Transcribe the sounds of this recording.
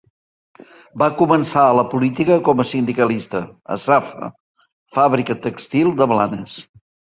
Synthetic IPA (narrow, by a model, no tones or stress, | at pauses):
bakumənsaələpulit̪ikəkɔməsind̪ikəlist̪əə̰safə̰ | faβɾikət̪əkst̪ilˠd̪əβla̰nəs